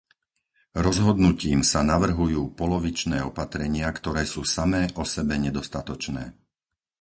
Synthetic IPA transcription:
ɾɔzɦɔd̪nuciːmsanaʋr̩ɦujuːpɔlɔʋit͡ʃnɛːɔpat̪ɾɛɲɪakt̪ɔɾɛːsuːsamɛːʔɔsɛbɛɲɛd̪ɔst̪at̪ɔt͡ʃnɛ̰ː

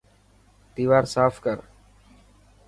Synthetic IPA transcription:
d̪iːʋaːɾsaːfʰkəɾ

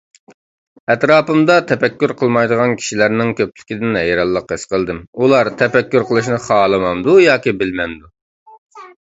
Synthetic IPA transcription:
ɛt̪ɾɑːpɨmd̪ɑt̪ʰɛpɛkʲːyɾqʰəlˠmɑjd̪əʁɑnkʲʰi̥ʃilæɾnɪŋkʲʰøp̚lɪ̥kʲid̪ɪnɛjɑɾɑlˠːəqɨsqʰəlˠd̪ɨmulˠɑɾt̪ʰɛpɛkʲːyɾqʰəlˠɨʃ̬nɨχɑːlˠɨmɑmd̪ujɑːkʲibɪlmɛnd̪u

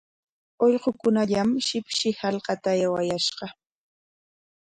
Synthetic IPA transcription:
oʎɢokʊnaʎamʃɪpʃɪhɑlqɑt̪ajawajaʃɢɑ

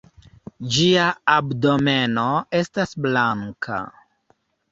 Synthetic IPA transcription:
d͡ʒiaabdo̞me̞noe̞stasblaŋkʰa̰

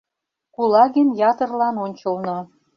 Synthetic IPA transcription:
kulɑɣənjɑt̪ərlɑnonʲt͡ɕəlnŏ

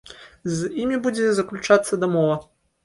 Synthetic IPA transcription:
zʲjimʲibud͡zʲɛzɐklʲut͡ʂat̪sːɐd̪ɐmɔvɐ

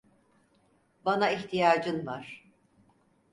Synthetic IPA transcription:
banaiçt̪ʰijaːd͡ʒɯnvaɾ̥

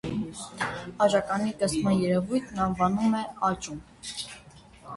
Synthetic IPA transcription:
ɑʒɑkɑnik̪ɛsmɑnjɛɾɛvujt̪ʰnɑnvɑnumɛɑt͡ʃum

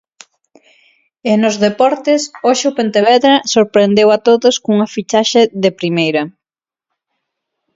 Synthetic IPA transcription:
ɪnʊzðepɔɾt̪ɪsoʃeʊpent̪eβɛðɾɐsoɾpɾend̪ewat̪oðoskuŋɐfit͡ʃaʃeðepɾimejɾɐ

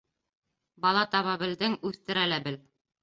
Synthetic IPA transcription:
bɑlˠɑt̪ɑβɑbɘ̆ld̪ɘŋʉθt̪ɘ̆ɾælæbɘl

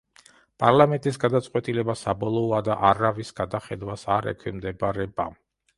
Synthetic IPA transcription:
pʼaɾlamɛnt̪ʼisɡad̪at̪sʼqʼwɛt̪ʼilɛbasabɔlˠɔɔad̪aʔaɾavisɡ̥ad̪aχɛd̪wasaɾɛ̰kʰwimd̪ɛbɾɛba

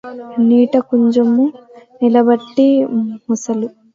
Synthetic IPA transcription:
niːʈɐkuɲt͡ʃɐmunilɐbɐʈːimɔsɐlu

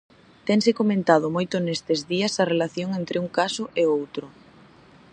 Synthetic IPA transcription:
t̪ɛŋsɪkomẽnt̪aðʊmojt̪ʊnest̪ezðiɐsɐrelaθjoŋent̪ɾɪuŋkasʊʔeowt̪ɾʊ

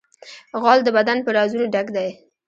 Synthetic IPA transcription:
ɣɑld̪əbad̪anpəɾɑzunoɖaɡd̪aj

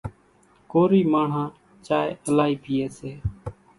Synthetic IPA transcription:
koːɾiːmaːɳ̤ãː | t͡ʃaːeʔəlaːiːpɪjeːseː

